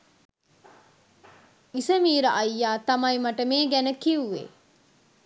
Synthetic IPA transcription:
isɐmiːɾɐʔɐjːaːt̪ɐmɐimɐʈɐmeːɡænəkiuʋḛ

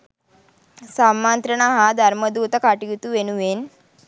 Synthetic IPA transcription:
samant̪ɾəɳaɦad̪ʱaɾməd̪ut̪əkaʈit̪uʋenuʋen

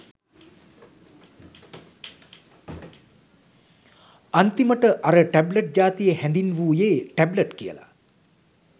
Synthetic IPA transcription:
ant̪iməʈəʔaɾəʈæbləʈ̚d͡ʒaːt̪ijəhɛnd̪inʋuːjeːʈæbləʈkijə̰la̰

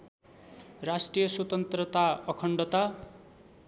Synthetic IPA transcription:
rasʈrijʌswʌt̪ʌnt̪rʌt̪aʌkʰʌɳɖʌt̪a

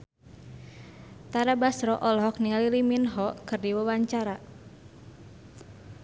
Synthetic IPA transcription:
t̪aɾabasɾɔʔɔlɔɦɔk̚niŋaliliminɦɔkɨrdiwəwaɲt͡ʃaɾa

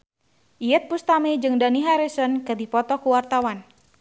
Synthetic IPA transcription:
ʔijɛt̪̚pust̪amed͡ʒɨŋdaniɦaɾisɔnkədipɔt̪ɔkuwart̪awan

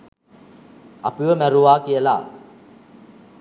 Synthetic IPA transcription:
a̰pɯʋəmæɾuʋaːkijəla

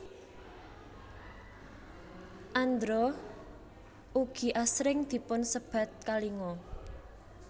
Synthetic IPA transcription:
ʔand̪ɾɔ | ʔuɡ̥i̤ʔasɾɪŋd̪̥i̤pʊnsəb̥ä̤t̪̚kaliŋɔ

